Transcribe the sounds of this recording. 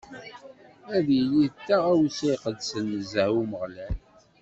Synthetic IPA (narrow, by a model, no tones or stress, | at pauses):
æðjəlit̪ːæʁæwsiqəd̪sənːəzəuməʁlæl